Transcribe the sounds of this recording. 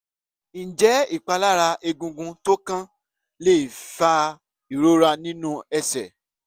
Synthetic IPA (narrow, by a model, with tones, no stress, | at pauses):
n̩˨d͡ʒɛ˨˦i˦˨k͡pa˧la˦ɾa˧e˧ɡũ˧ɡũ˧to˦kã˦ | le˦i˨fa˧ | i˨ɾo˦ɾa˧nĩ˦nũ˦ɛ˧sɛ˨